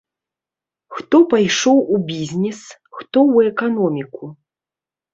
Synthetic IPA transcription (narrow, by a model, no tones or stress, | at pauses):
xt̪ɔpajʂɔwubʲizʲnʲɛs | xt̪ɔwɛkanɔmʲiku